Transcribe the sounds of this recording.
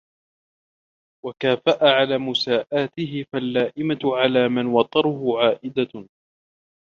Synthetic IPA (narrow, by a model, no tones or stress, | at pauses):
wakaːfaʔaʕalaːmʊsaːʔaːt̪ɪɦɪfalːaːʔɪmaʕalaːmanwɑt̪ˤːɑɾˤʊhʊʕaːʔɪd̪a